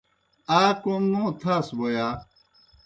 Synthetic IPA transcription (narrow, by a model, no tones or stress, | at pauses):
aːkomnõːt̪ʰaːsbojaː